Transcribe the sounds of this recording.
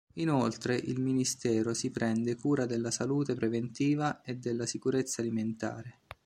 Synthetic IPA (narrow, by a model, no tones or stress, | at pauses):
inolt̪ɾeʔilminist̪ɛːɾosipɾʔɛnd̪ekuːɾad̪elːasaluːt̪epɾevent̪iːvaed̪ːelːasikuɾet̪sːaːliment̪a̰ːɾe